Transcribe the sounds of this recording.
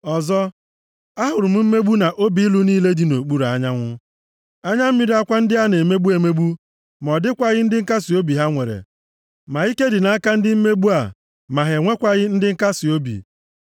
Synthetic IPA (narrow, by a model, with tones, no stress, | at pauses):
ɔ˨zɔ˦ | a˦ɦʊ˨ɾʊ˨m̩˦m̩˦me˦ɡ͡bu˦na˨ʔo˦bi˨˦i˦lu˦niː˦le˦di˨no˨k͡pu˦ɾa˨˦ɲa˦ŋʷʊ˦ | a˦ɲa˦m̩˦i˦ɾi˨˦a˦kʷa˦n̩˦dɪ˦a˦ne˨me˦ɡ͡bu˦e˨me˦ɡ͡bu˦ | m˨ɔ˨dɪ˦kʷa˨ɣɪ˦n̩˦dɪ˦ŋ̩˦ka˦si˨o˦bi˨ɦa˦ŋʷe˨ɾḛ˨ | ma˨i˦ke˦dɪ˨na˦a˦ka˦n̩˦dɪ˦m̩˦me˦bu˦a˨ | ma˨ɦe˨ŋʷe˦kʷa˨ɣɪ˦n̩˦dɪ˦ŋ̩˦ka˦si˨o˦bḭ˨